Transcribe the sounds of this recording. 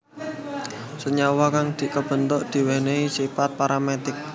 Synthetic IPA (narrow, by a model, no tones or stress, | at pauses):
səɲawakaŋd̪̥i̤kəb̥ə̤nt̪ɔʔd̪̥i̤weneisifat̪̚paɾʔamet̪ɪk̚